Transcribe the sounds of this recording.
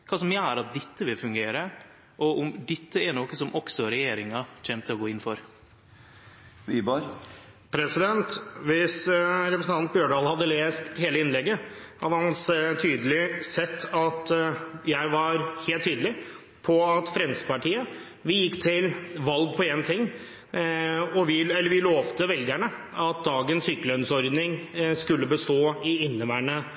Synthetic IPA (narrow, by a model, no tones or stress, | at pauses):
kʰɑːsɔmææɾɑt̪̚d̪ɛt̪ːəʋɪlfʉŋɡeːɾə | ʔɔʔʊmd̪ɛt̪ːəɛnɔkːəsɔmʔɔksɔɾɛjeːɾɪŋɑtɛmt̪ʰɪlɔɡoːɪnːfɔɾ | ʋibɑɾ | pʰɾɛsɪd̪ɛnt̪ʋɪsɾɛpɾəsn̩ʰɑnbjøːɖɑːlhɑd̪ːəleːst̪heːləɪnlɛɡːəhɑd̪əhɑnst̪ʰyːd̪əlɪsɛt̪ʰːɑt̪jæɪʋɑɾheːlt̪ʰːyːd̪əlɪ | pʰɔɑt̪fɾɛnspɑʈiːə | ʋɪjɪkːt̪ʰɪlʋɑlɡ̚pʰɔeːɡənt̪ʰɪŋː | ɔʋɪɛlːəɾʋɪloːʋt̪əʋɛld̪ɡɪjæɳəɑt̪̚d̪ɑːɡənsʏkːəlœnsɔɾd̪nɪŋskʉlːəbəst̪oːɪɪnːəʋæːɳə